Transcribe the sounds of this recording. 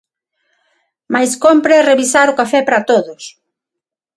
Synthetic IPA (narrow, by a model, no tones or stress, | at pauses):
majskompɾereβisaɾʊkafɛpɾat̪oðʊs